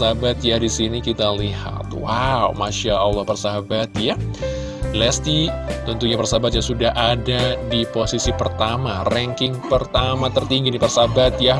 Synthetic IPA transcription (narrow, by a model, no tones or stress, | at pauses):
saɦabat̪jahdisinikit̪aliha̰t̪wawmaʃaəlːɑhpərsaɦabat̪ja | lɛst̪it̪ənt̪uɲapərsaɦabat̪jasudaɦʔadadiposisipərt̪amarɛŋkɪŋpərt̪amat̪ərt̪iŋɡidipərsaɦabat̪ja